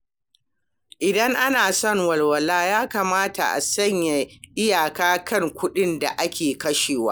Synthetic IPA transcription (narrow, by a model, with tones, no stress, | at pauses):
ʔɪ˨dɐ˦ŋʔa˦naː˨sɔ˦˨ŋwɐ˨lwɐ˨laː˦jaː˦kaː˨maː˦ta̰˨ʔa̰˨sɐ˦ɲja˨ʔɪ˦jaː˨kaː˦kʰɐ˦˨ŋkʷʊ˦ɗɪ˦nda̰˨ʔa˦kʲʰeː˨kɐ˦ʃeː˨waː˦